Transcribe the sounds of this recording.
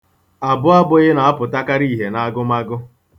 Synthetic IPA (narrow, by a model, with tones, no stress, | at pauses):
a˨bʊ˦a˦bʊ˦ɣɪ˦na˨a˦pʊ˨ta˦ka˦ɾi˦˨ɦe˨na˦a˦ɡʊ˦ma˦ɡʊ˦